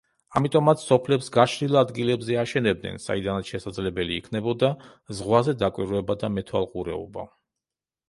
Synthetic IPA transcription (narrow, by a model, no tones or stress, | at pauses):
amit̪ʼɔmat̪sʰsɔpʰlɛpsɡaʃɾilˠad̪ɡilɛbzɛaʃɛnɛb̚d̪nɛ̰nsa̰id̪anat̪sʃɛsad̪zlɛbɛliːkʰnɛbɔd̪a | zʁwazɛd̪akʼwiɾɛbad̪amɛt̪ʰwa̰lˠqʼuɾɛɔ̰ba̰